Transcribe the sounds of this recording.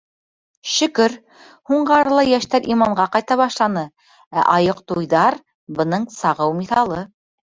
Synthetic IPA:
ʃɵ̆kɘɾ | huɴɢɑɾlˠɑjæʃt̪æɾʔimɑɴɢɑqɑjt̪ɑβɑʃlˠɑnɤ | æ̰ʔɑjoqt̪ujðɑɾ | bɤ̆nɤɴsɑʁɤwmiθɑlˠɤ

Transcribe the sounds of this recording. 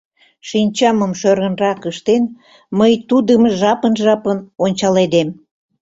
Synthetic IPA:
ʃinʲt͡ɕɑməmʃøɾənrɑkəʃt̪en | məjt̪ud̪əmʒɑpənʒɑpənonʲt͡ɕɑled̪em

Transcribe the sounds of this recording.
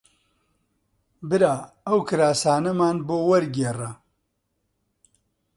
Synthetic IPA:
bɨɾaː | ɐwkʰɨɾaːsaːnɐmaːnboːwɐɾɡeːrɐ

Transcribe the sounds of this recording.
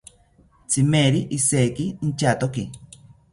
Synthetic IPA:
t͡sʰimeɾiʔisekint͡ʃat̪oki

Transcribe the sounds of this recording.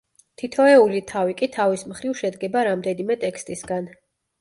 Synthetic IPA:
t̪ʰit̪ʰɔɛulit̪ʰavikʼit̪ʰavismχɾivʃɛd̪ɡɛbaɾamd̪ɛnimɛt̪ʼɛkst̪ʼisɡan

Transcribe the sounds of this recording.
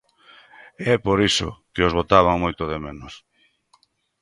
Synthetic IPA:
ɛpoɾiso̰keozβot̪aβ̞aŋmojt̪oðemẽnos

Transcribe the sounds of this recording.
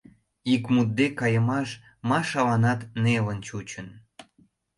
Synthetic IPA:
ikmut̪̚d̪ekɑjəmɑʃ | mɑʃɑlɑnɑt̪nelənt͡ɕut͡ɕən

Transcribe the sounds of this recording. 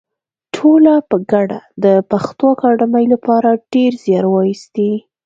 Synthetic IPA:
ʈʰolapəɡaɽa̰d̪əpaxt̪okɑɖamajlapɑɾaɖ̥eɾzjɑɾwɑjist̪i

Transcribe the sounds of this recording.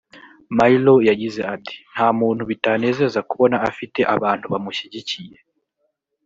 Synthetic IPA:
mailojaɟize̞ati̥n̥haːmuːnhuβitane̞ːze̞zakuβo̞naːfite̞ʔaβaːnthuβamuʃiɟicije̞

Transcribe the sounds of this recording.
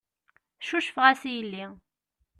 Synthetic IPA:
θʃuʃəfəʁæsijəlːi

